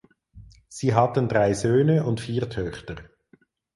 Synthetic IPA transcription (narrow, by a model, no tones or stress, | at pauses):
z̥iːɦɑtənd̥ʁaɪzøːnəʊntfiːɐʁtʰœχtəʁ